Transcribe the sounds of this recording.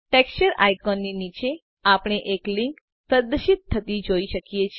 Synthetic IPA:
ʈekst͡ʃəɾa̰jkɔnːinit͡ʃe | apɳ̃eʔeklɪ̃ŋk | pɾəd̪əʃit̪ʰːət̪id͡ʒoiʃəkijet͡ʃʰ

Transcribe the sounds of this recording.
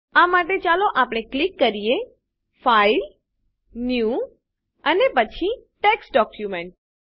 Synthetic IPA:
amaʈet͡ʃaloʔapəɽ̃eklikːəɾije | fail | nju | ənepət͡ʃʰiʈeksɖɔkjumeɳʈ̚

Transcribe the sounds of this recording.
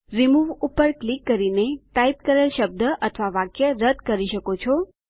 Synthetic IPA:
ɾimuʋupəɾklikːəɾineʈaip̚kəɾəlʃəb̚d̪əʔət̪ʰʋaʋakjəɾəd̪ʱkəɾiʃəkot͡ʃʰo

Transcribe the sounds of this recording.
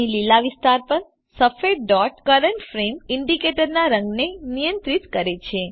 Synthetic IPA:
ililaʋist̪aɾpəɾ | səfeɖɔʈkəɾəɳʈfɾemiɳɖikeʈəɾnaɾə̃ŋɡnenijə̃nt̪ɾit̪kəɾet͡ʃʰe

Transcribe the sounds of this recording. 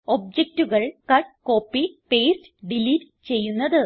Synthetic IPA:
ob̚d͡ʑek̚tuɣɐɭkɐʈko̞ːpːipeːstɖiliɾ | t͡ɕe̞jːunːɐðɨ

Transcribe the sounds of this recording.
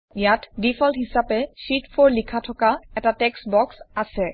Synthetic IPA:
jatdifʰɔlthisapɛsitpʰɔɹlikʰatʰɔkaɛtatɛksbɔksasɛ

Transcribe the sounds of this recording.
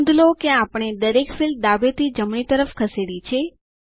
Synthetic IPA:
nd̪ʱlokeapəɳ̃ed̪əɾekfild̪abet̪id͡ʒəmɳit̪əɾəfkʰəseɽit͡ʃʰe

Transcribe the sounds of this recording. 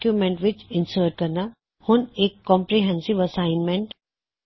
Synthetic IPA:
kjumɛ̃ɳʈʋɪt͡ʃɪ̃nsəːɾʈ̚kɐɾna | hʊneːkːɔ̃ːmpɾiɦɛ̃nsɪʋɐsaːɪnmɛ̃ɳʈ

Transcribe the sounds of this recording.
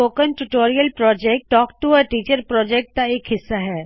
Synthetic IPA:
oːkənʈuʈoːɾijəlpɾɔːd͡ʒɛːk̚ʈːɔːkʈuɔɾʈiːt͡ʃəɾpɾɔːd͡ʒɛːk̚ʈ̚k̪aeːkɦɪsːaɦɛː

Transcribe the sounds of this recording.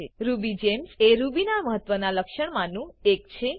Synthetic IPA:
eɾubid͡ʒemseɾubinaməɦət̪ʋənaləkʃəɳ̃manũekt͡ʃʰe

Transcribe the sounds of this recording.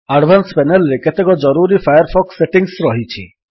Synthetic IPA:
aɖʋanspɛnelɾeket̪ekɔd͡ʒɔɾuɾifʰajəɾfʰɔksːeʈiŋsɾɔɦit͡ʃʰḭ

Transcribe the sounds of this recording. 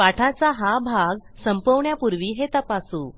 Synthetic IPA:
aʈʰat͡saɦabʱaɡsəmpəʋɳjapuɾʋiːɦet̪əpasũː

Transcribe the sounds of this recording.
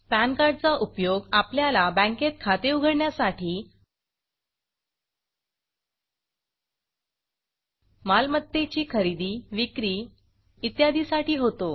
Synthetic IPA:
pænkaɾɖ̚t͡saʔupjoɡapljalabə̃ŋket̪̚kʰat̪euɡʱəɾɳjasaʈʰiː | malmət̪ːet͡ɕiːkʰəɾid̪iːʋikɾiː | it̪jad̪isaʈiːɦot̪o

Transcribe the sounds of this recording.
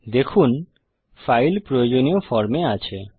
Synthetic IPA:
d̪ekʰun | fajlpɾojod͡ʑoniofɔɾmeat͡ɕʰe

